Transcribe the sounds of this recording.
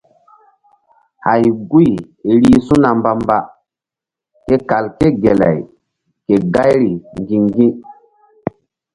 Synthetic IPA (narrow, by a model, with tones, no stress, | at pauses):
ha˨jɡu˦j | e˨ɾi˦sũ˦na˨mba˦mba˦ | ke˦ka˨lke˦ɡe˨la̰˨j | ke˨ɡa˦jɾi˨ŋɡi˨ŋɡĩ˦